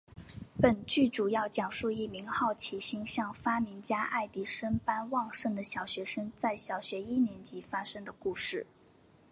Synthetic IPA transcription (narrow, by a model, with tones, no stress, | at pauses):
pə˨˩nt͡ɕy˥˩ʈ͡ʂu˨˩jɑ˥˩ʊt͡ɕjɑ˨˩ŋʂu˥˧i˥˩mi˧˥ŋxɑ˥˩ʊt͡ɕʰi˧˥ɕi˥ŋɕjɑ˥˩ŋfa˥mi˧˥nt͡ɕja˥ʔa̰˥˩ɪt̪i˧˥ʂə˥npa˥nwɑ˥˧ŋʂɤ˥˩ŋd̪ə˩ɕjɑ˨˩ʊɕɥɛ˧˥ʂə˥ŋt͡sa˥˩ɪɕjɑ˨˩ʊɕɥɛ˧˥i˥njɛ˧˥nt͡ɕi˧˥fa˥ʂɤ˥ŋd̪ə˨ku˥˧ʂɻ̩˥˩